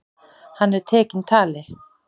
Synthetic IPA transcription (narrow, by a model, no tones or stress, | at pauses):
hanet̪ʰekint̪ʰale